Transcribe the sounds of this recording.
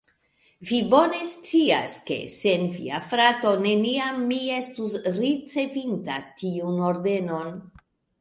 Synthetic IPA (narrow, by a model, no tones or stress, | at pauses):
vibo̞ne̞st͡sia̰ske̞̰se̞nvḭafɾato̞ne̞niamːie̞stusɾit͡se̞vintatiuno̞ɾde̞no̞n